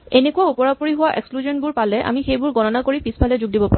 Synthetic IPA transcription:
enekuaupɔɹapoɹiɦʊwaʔḛkskluzɔnbʊɹpalɛʔa̰mixejbʊɹɡɔnɔnakoɹipispʰalɛzʊɡ̚dibɔpaɹ

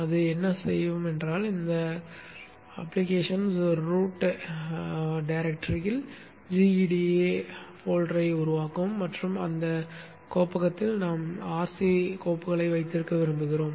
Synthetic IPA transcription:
ɐðɯɛnːɐsɛ̰jːʋɯmɛndraːlɪnd̪ɐ | ɐpːlɪkeːʂɐnsɔɾɯɾuːʈː | ɖɐɪɾɛk̚ʈɐɾjɪl | d͡ʒiiɖieːfoːlʈɾɐɪʊɾʊʋaːkɯmːɐʈrɯmɐnd̪ɐ | koːpɐɣɐt̪ːɪlnaːmaːɾsikoːpɯɣɐɭɐɪʋɐɪt̪ːɪɾɯkːɐʋɪɾɯmbɯɣɪɾoːm

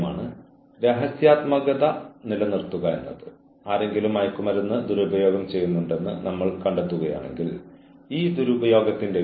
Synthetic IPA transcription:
ma̰ːɳɨ | ɾe̞ɦɐsjaːt̪mɐɣɐðɐnilɐnirt̪ːuɣɐenːɐðɨ | aːɾe̞ŋɡilumɐjkːumɐɾunːɨd̪uɾubɐjo̞ːɡɐmt͡ɕe̞jːunːuɳɖe̞nːɨ̰nɐmːɐɭkɐɳɖet̪ːuɣɐja̰ːɳe̞̰ŋɡil | iːd̪uɾubɐjo̞ːɡɐt̪ːinde̞

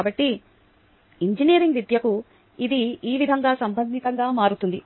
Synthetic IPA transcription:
aːbɐʈːi | iɲd͡ʒinijɐɾiŋɡʋid̪jɐku | id̪iiːʋid̪ʱɐŋɡaːsɐmbʱɐnd̪ʱikɐŋɡaːmaːɾut̪und̪i

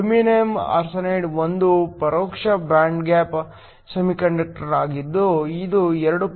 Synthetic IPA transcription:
minejma̰ːɾsɐneːɖʋond̪upɐɾoːkʂɐbɾaːɳɖɡaːp | sɐmikɐɳɖɐk̚ʈɐɾɐɾaːɡid̪ːuid̪uɛɾɐɽu

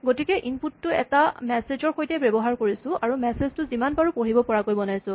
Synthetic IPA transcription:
ɡotikɛʔinputːʊɛ̰tamɛsezɔɹxojtɛbebɔɦaɹkoɹisʊ̃aɹumɛseztʊzimanbaɹupoɹibɔpɔɹakojbɔnajsʊ̃

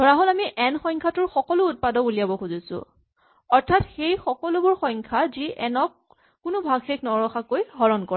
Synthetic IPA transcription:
dʱɔɹaɦolamiʔɛnxɔjŋkʰatʊɹxɔkɔlʊːt̚padɔuliabɔxuzisʊ̰ | ɔɹtʰatxejxɔkɔlʊbʊɹxɔjŋkʰaziʔɛnɔkː | ʊnʊbʱaɡxeknɔɹɔxakojɦɔɹɔnkɔɹa

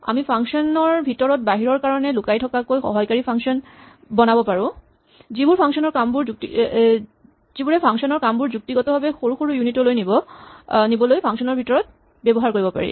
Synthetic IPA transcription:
a̰mipʰaŋksɔnɔɹbʱitɔɹɔt̚baɦiɹɔɹkaɹɔnɛlukajtʰɔkakojxɔ̰ɦɔjkaɹipʰaŋsɔn | bɔnabɔpaɹʊ̃ | zibuɹpʰaŋsɔnɔɹkambuɹkti | zibuɹɛpʰaŋsɔnɔɹkambuɹzuk̚tiɡɔtɔbʱabɛxoɹuxoɹujunitɔlojnibɔnibɔlojpʰaŋksɔnɔɹbʱitɔɹɔt̚ | bɛbɔɦaɹkoɹibɔpa̰ɹḭ

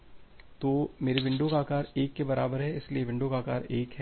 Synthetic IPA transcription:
t̪oːmeːɾeʋɪ̃ɳɖõkaːkaːɾeːkːebɐɾaːbəɾɦɛɪslieʋɪ̃ɳɖõkaːkaːɾeːkɦɛː

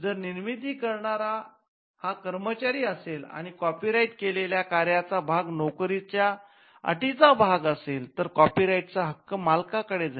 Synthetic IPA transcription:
d͡zəɾniɾmid̪iːkəɾɳaɾa | hakəɾmət͡ɕaɾiːəsela̰ɽ̃ikɔpiɾaiʈkeleljakaɾjat͡sabʱaɡnokɾit͡ɕja | ə̰ʈit͡sabʱaɡəselt̪əɾkɔpiɾaiʈt͡saɦəkːəmalkakəɽed͡za

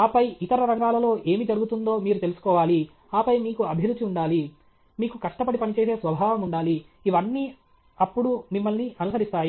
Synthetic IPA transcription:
aːpɐjʔit̪ɐɾɐɾɐkaːlɐlo̞ːʔe̞ːmid͡ʒɐɾuɡut̪und̪o̞ːmiːɾut̪e̞lusu̥kɔːʋaːli | aːpɐjmiːkuɐbʱjɐɾut͡ʃiuɳɖaːli | miːkukɐʂʈɐpɐɽipɐnit͡ʃe̞ːse̞ːsʋɐbʱaːʋɐmuɳɖaːliː | ʋɐnːiː | ɐpːuɽumimːɐlniʔɐnusɐɾist̪aːji

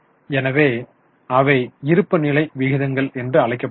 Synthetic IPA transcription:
ɛnɐʋeː | ɐʋɐɪɪɾɯpːɯnɪlɐɪʋɪɣɪðɐŋɡɐɭɛndrɯɐɭɐɪkːɐpː

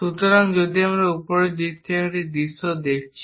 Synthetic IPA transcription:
ut̪oɾaŋd͡ʒod̪iamɾaupoɾed̪ik̚t̪ʰekaʈid̪isod̪ek̚ʰt͡ɕʰi

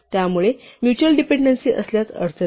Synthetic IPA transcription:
t̪jamuɭemjut͡ɕuəlɖipeɳɖənsiːʔə̰sljat͡sə̰ɾt͡sʰə

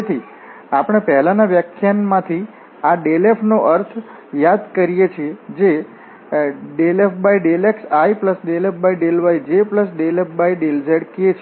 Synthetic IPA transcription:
et̪ʰi | apəɽ̃epɛɦɛlanaʋjəkʰjanmãt̪ʰi | aɖelefʰnoʔəɾt̪ʰ | jad̪kəɾijet͡ʃʰied͡ʒe | ɖelefbaiɖeleksaipləsɖelefbaiɖelʋajd͡ʒepləsɖelepbaiɖelzeɽkiet͡ʃʰ

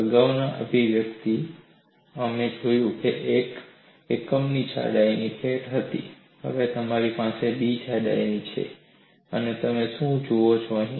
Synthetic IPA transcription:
əɡaʋnaʔəbʱiʋjəkt̪i | əmed͡ʒojũkeʔek | ekːəmnit͡ʃʰa̰ɽainipʰeʈɦət̪ḭ | hə̰ʋet̪əmaɾipasebit͡ʃʰaɖa̰init͡ʃʰḛ | ənet̪əmeʃũd͡ʒoot͡ʃʰoəɦĩ

